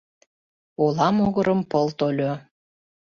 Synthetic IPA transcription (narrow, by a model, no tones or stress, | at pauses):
olɑmoɣəɾəmpəlt̪olʲo